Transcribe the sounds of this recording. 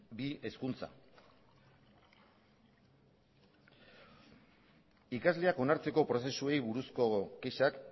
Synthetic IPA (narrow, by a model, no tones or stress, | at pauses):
bie̞skunt͡sa̰ | ikazle̞ako̞naɾt͡se̞ko̞pɾose̞sue̞jβuɾusko̞keʃak